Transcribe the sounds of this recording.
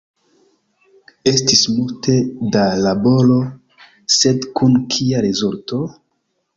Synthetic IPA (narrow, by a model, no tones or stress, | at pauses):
estismulte̞dalabo̞lo̞ | se̞dkunkʰiaɾezulto̞